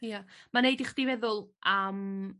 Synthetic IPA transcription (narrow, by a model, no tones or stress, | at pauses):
jamanejdiχd̥ivɛðʊlˠʔəm